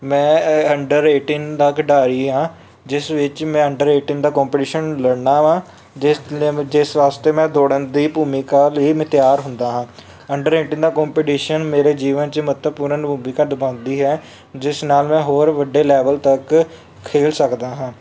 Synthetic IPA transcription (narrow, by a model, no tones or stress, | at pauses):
mɛ̃ːəɳɖəɾeːʈiːnt̪əkɖaːɾiːɦãː | d͡ʒɪsʋɪt͡ʃmɛ̃ːəɳɖəɾeːʈiːnd̪aːkɔːmpɪʈiːʃənləɽnaːʋãː | d͡ʒɪsʋaːst̪eːmɛ̃ːd̪oːɽənd̪iːpuːmiːkaːliːmɪt̪jaːɾɦʊnd̪aːɦãː | əɳɖəɾeːʈiːnd̪aːkɔ̃ːmpiːʈiːʃənmeːɾeːd͡ʒiːʋənt͡ʃəmət̪əpuːɾənbʱuːbiːkəɾd̪bãːʊnd̪iːɦɛː | d͡ʒɪsnaːlmɛ̃ːɦoːɾʋəɖːeːlɛːʋəlt̪ək | kʰːeːlsəkd̪aːɦãː